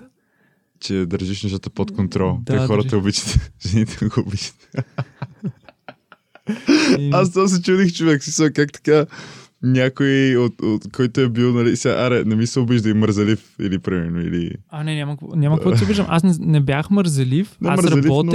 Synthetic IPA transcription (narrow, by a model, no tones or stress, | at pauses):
t͡ʃɛd̪əɾʒiʃnɐʃ̬t̪at̪əpot̪kont̪ɾɔlˠt̪ːxɔɾət̪ɐobit͡ʃə̥t̪ɛʒ̥ɛnit̪ʰɛɡoobit͡ʃə̥t̪ | as̬t̪ɔs̬ɛt͡ʃud̪ixt͡ʃovɛksmisəlkak̚t̪ɐ̥ka | nʲakojiot̪ot̪kɔjt̪oɛbilˠnɐlisɛɡa̰ʔaɾɛnɛmisɛobiʒd̪əiməɾzɐlifḭlipɾimɛɾnoḭlḭanɛnʲamkɔnʲamɐkvɔiʊbiʒd̪ə̰̃mʔas̬nɛnɛbjaxməɾzɐlifnɛasməɾzɾɐɐlifɔn